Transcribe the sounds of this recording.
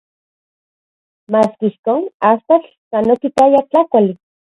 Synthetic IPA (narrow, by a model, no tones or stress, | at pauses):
maːskihkoːnast̪at͡ɬ | sanokip̪ajat͡ɬakʷali